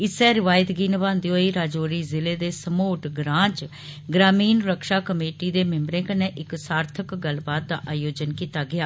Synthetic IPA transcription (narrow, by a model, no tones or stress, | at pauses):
ɪsɛːɾɪʋaːjɪt̪ɡiːnbãːnd̪ioːiːɾaːd͡ʒoːɾiːzɪleːd̪eːsəmoːʈɡɾãːt͡ʃ | ɡɾaːmiːnɾəkʃaːkəmeːʈiːd̪eːmɪ̃mbɾẽːkənẽːʔɪksaːɾt̪ʰəkɡəlbaːt̪̚d̪aːʔaːjoːd͡ʒənkiːt̪aːɡɪjaː